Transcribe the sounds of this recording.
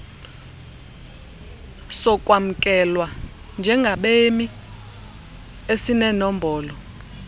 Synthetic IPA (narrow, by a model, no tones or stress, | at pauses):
sɔkʼwam̩kʼɛlwa | nd͡ʒʱɛŋɡʱaɓemi | esinɛnɔmbʱɔːlɔ